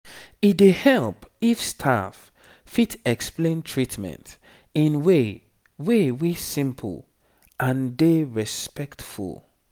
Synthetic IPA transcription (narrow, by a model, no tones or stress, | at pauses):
it̚dehɛlˠpifstʰa̰f | fitɛksplẽntʰɹitmɛ̰̃nt | ĩnwe | wewisɪ̃mpʰl̩ˠ | ʔãndeɹɛspɛktfṵlˠ